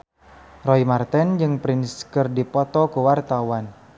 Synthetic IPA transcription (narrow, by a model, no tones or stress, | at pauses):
rɔimart̪ɛnd͡ʒɨŋpɾɪnskərdipɔt̪ɔkuwart̪awan